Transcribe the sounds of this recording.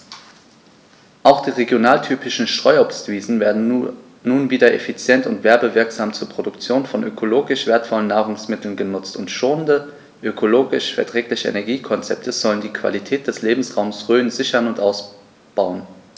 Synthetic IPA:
ʔaʊxd̥iːʁeɡjonaːltʰyːpɪʃn̩ʃtʁ̥ɔʏɔpstv̥iːzn̩vɛɐdn̩ | nuːnviːdɐʔefit͡sjɛntʊntv̥ɛɐbəvɪɐkz̥aːmt͡suːɐpʁ̥odʊkt͡sjoːnfɔnʔøkʰoloːɡɪʃv̥eːɐtfɔlənːaːʁʊŋsmɪtl̩nɡənʊt͡stʊntʃoːəndə | ʔøkʰoloːɡɪʃfɛɐtʁ̥ɛːklɪçəḛnɛɐɡiːkʰɔnt͡sɛp̚tʰəz̥ɔləndiːkv̥a̰litʰɛːt̚d̥ɛsleːbm̩sʁaʊmsʁøːənzɪçɐnʊntʔaʊs | b̥aʊən

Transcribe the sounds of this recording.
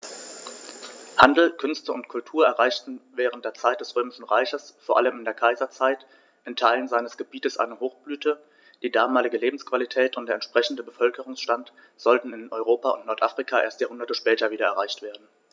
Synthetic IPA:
handl̩kʰʏnstəʊntkʰʊltʰuːɐɛɐʁaɪçtn̩vɛːʁən̩t̚d̥eːɐt͡saɪt̚d̥ɛsʁøːmɪʃn̩ʁaɪçɐsfoːɐʔaləmɪndeːɐkʰaɪzɐt͡saɪt | ʔɪntʰaɪlənzaɪnəsɡ̥əbiːtəsʔa̰ɪnəhoːxb̥lyːtʰə | d̥iːdaːmaːlɪɡəleːbm̩skv̥alitʰɛːtʊntd̥eːɐɛntʃpʁ̥ɛçn̩dəbəfœlkəʁʊŋsʃtant | z̥ɔltn̩ɪnɔʏʁoːpaʊ̰ntnɔɐtʔafʁ̥ikʰaːʔeːɐstjaːhʊndɐtəʃpɛːtɐviːdɐɛɐʁaɪçtv̥eːɐdn̩

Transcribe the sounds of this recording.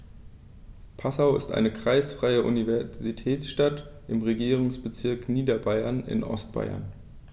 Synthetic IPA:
pʰasaʊɪ̰stʔa̰ɪnəkʁ̥aɪsfʁ̥aɪəʔṵnivɛɐzitʰɛːsʃtat | ʔɪmʁeɡiːʁʊŋsb̥ət͡sɪɐkniːdɐbaɪɐnɪ̰nʔɔ̰st̚b̥a̰ɪɐ̰n

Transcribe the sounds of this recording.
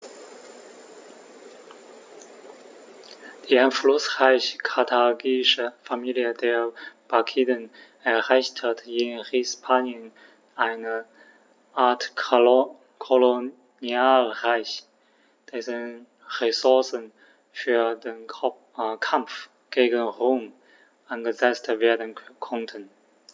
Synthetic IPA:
d̪̥ianflusʁaɪɕkʰat̪ʰaɡiʂəfamiliəd̪ɛpakʰid̪ən | ɛhaɪst̪ʰədɪnhispʰaniə̃n | aɪnə | ʔat | kʰolo | njalʁaɪç | d̥ɛsən | ʁɛsʊɐsən | fyːɐden | kʰamf | ɡ̥eːɡənʁom | ʔanɡəzɛt͡stveːɐdənkʰɔntʰən

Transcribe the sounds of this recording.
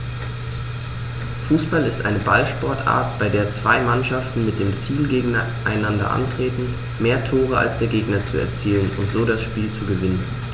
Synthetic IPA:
fuːsb̥alɪstʔa̰ɪnəba̰lʃpɔɐtʔa̰ːɐtb̥aɪdeːɐt͡sv̥aɪmanʃaftn̩mɪt̚d̥eːmt͡siːlɡeːɡŋ̩ | ʔaɪnandɐ̰ʔa̰ntʁ̥eːtn̩ | meːɐtʰoːʁ̞əa̰lsd̥eːɐɡeːɡnɐt͡suɛ̰ɐt͡siːlənʊ̰ntz̥oːɾasʃpiːlt͡suɡəvɪnən

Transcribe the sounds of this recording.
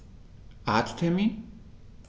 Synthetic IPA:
at̪ʰt̪ʰɛmin

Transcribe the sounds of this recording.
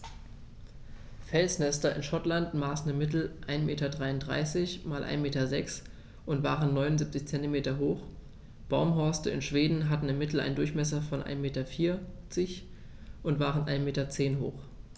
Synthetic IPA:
fɛlsnɛstɐɪnʃɔtlantmaːsn̩ɪmɪt̬l̩ʔaɪnmeːtɐdʁaɪʊntd̥ʁa̰ɪsɪçmaːlʔa̰ɪnmeːtɐzɛks | ʔʊntv̥a̰ːʁənːɔʏnʊnzip̚t͡sɪçt͡sɛntimeːtɐɦoːx | b̥aʊmɦɔɐstəɪ̰nʃv̥eːdn̩ɦatn̩ɪmːɪtl̩a̰ɪndʊɐçmɛs̬ɐfɔnʔa̰ɪnmeːtɐfiːɐt͡sɪç | ʔʊntv̥aːʁənʔa̰ɪnmeːtɐt͡seːnɦo̰ːx

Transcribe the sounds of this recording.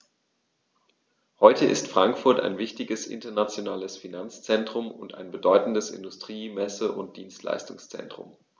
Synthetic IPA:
hɔʏtʰəʔɪ̰stfʁ̥aŋkfʊɐta̰ɪnvɪçtɪɡəsʔɪ̰ntɐnat͡sjonaːləsfinant͡st͡sɛntʁ̥ʊmʊnta̰ɪnbədɔʏtn̩dəsɪ̰ndʊstʁ̥iːmɛsəʔʊnt̚d̥iːnstla̰ɪstʊŋst͡sɛ̰ntʁ̥ʊ̰m

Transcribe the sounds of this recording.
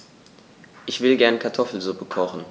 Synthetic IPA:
ʔɪçv̥ɪlɡɛɐnkʰaɐtʰɔfl̩zʊpəkʰɔχn̩

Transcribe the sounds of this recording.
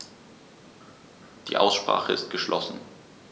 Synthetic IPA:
d̥ḭːʔaʊsʃpʁ̥a̰ːχəɪstɡ̥əʃlʔɔsn̩

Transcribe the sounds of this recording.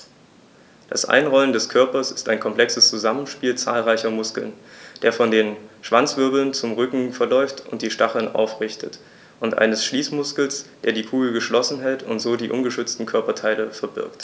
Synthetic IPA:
d̥a̰sʔa̰ɪnʁɔləndɛskʰœɐpɐsɪ̥staɪnkʰɔmpl̥ɛksəst͡suzamən̩ʃpiːlt͡sa̰ːlʁaɪçɐmʊskl̩nd̥eːɐfɔndeːnʃv̥ant͡sv̥ʏɐbl̩nt͡sʊmʁʏkŋ̩fɛɐlɔʏftʊnt̚d̥iːʃtaχl̩nʔa̰ʊfʁɪçtʰət | ʔʊntʔa̰ɪnəsʃliːsmʊskl̩sd̥eːɐdiːkʰuːɡl̩ɡəʃlɔsn̩ɦɛltʊntz̥oːdiːʔʊmɡəʃʏt͡stn̩kʰœɐpɐtʰaɪləfɛɐbɪ̰ɐkt

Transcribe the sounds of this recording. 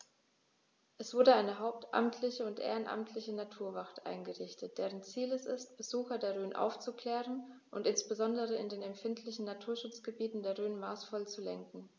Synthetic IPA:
ʔɛsv̥ʊɐdəaɪnəɦaʊp̚tʰʔa̰mtʰlɪçəʊntʔḛːʁənʔa̰mtʰlɪçənatʰuːɐvaχtʔa̰ɪnɡəʁɪçtət̚d̥eːʁ̞ənt͡siːlɛsɪ̰stb̥əzuːxɐdeːɐʁøːnʔa̰ʊft͡sukl̥ɛːʁənʔʊntɪnsb̥əzɔndəʁəɪndeːnɛmfɪntʰlɪçn̩natʰuːɐʃʊt͡sɡ̥əbiːtn̩deːɐʁøːnmaːsfɔlt͡sulɛŋkŋ̩

